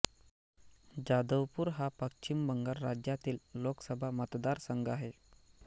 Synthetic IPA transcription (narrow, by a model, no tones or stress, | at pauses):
d͡ʑad̪əʋpuːɾɦapəkt͡ɕimbəŋɡaɾːad͡ʑjat̪iːlːoksəbʱamət̪d̪aɾsəŋɡaɦe